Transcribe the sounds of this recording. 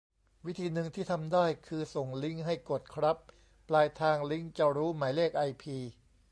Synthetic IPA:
wi˦˥t̪ʰiː˧nɯ˧ŋt̪ʰiː˥˩t̪ʰa˧mdaː˥˩jkʰɯː˧so˨˩ŋli˦˥ŋɦa˥˩jko˨˩t̪̚kʰɾa˦˥p̚ː | laː˧jt̪ʰaː˧ŋli˦˥ŋt͡ɕa˧wɾuː˦˥maː˩˦jleː˥˩k̚ʔa˧jpʰiː˧

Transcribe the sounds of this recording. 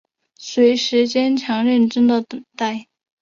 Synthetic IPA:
swe˧˥ɪʂɻ̩˧˥t͡ɕjɛ˥nt͡ɕʰjɑ˧˥ŋɻə˥˩nʈ͡ʂə˥ŋd̪ə˨t̪ə˨˩ŋt̪a˥˩ɪ

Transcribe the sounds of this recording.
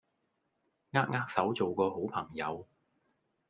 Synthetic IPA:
ŋaː˥k̚ŋaː˥k̚sɐ˨˥wt͡so˨wkɔː˧ɦo˨˥wpʰɐ˨˩ŋjɐ˨˧w

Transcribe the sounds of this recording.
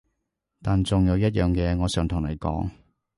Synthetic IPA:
t̪aː˨nt͡sʊ˨ŋjɐ˨˧wjɐ˥t̚jœː˨ŋkɛː˨˧ŋɔː˨˧sœː˨ŋt̪ʰʊ˨˩ŋlɐ˨˩jkɔ̰ː˨˥ŋ

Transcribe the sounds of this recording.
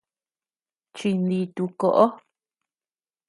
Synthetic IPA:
t͡ʃi˧nd̪i˧t̪u˧ko˧ʔo˦

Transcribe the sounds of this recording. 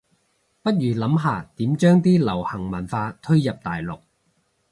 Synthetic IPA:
pɐ˥t̚jyː˨˩lɐ˨˥mɦaː˨˧t̪iː˨˥mt͡ʃœː˥ŋt̪iː˥lɐ˨˩whɐ˨˩ŋmɐ˨˩nfaː˧t̪ʰɵ˥ɥjɐ˨p̚t̪aː˨jlʊ̰˨k̚

